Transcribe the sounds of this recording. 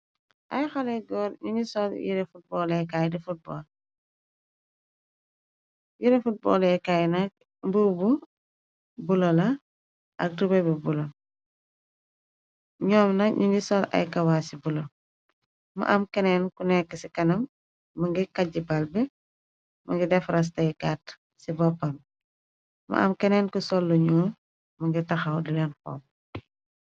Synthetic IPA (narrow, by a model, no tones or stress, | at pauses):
ʔɐ̰jxɔlɛɡɔːɾɲuɲisɔljḭɾefut̚bɔːlɛkajdifut̚bɔ̰ːl | jiɾɛfut̚bɔ̰ːlɛkajnɐk̚ | mbuːbu | bulɔlɐ | ʔɐk̚rubɐbubulɔl | ɲɔːmnɐɲuŋɡisɔlɐ̰jkɐwaːsibulɔ | mɐ̰ʔɐmkɛnɛnkunɛkːəsikɐnɐmː | ɐŋɡikɐɟibɐlbɛ | mɐŋɡidɛfɾɐs̬tɐjkat | sibɔpːɐm | mɐ̰ʔɐ̰mkɛnɛnkusɔlːuɲɔːm | mɐŋɡitɐxɐwdilɛnkɔ̰ːm